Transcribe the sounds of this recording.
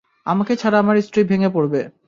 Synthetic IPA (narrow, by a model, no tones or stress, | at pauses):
a̰maket͡ɕʰaɾaamaɾisʈɾibʱeŋepoɾbe